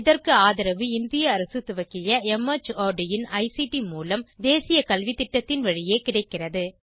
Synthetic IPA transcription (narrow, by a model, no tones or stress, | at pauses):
ɪðɐrkɯaːðɪɾɐʋɯɪnd̪ɪjɐːɾɐsɯt̪ːɯʋɐkːɪjɐɛmɐt͡ʃoːɖɪjɪnɐɪsiʈimuːlɐmd̪eːsɪjɐkɐlʋɪt̪ːɪʈːɐt̪ːɪnʋɐɻɪjeːkɪɽɐɪkːɪrɐðɯ